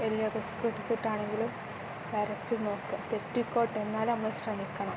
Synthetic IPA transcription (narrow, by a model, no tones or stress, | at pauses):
elijɐriskiʈːisiʈːaːɳe̞ŋɡilum | ʋɐɾɐt͡ɕːilno̞ːkːɨpetːikːo̞ːʈːe̞nːaːlɐmːɐɕrɐmikʲːɐɳɐm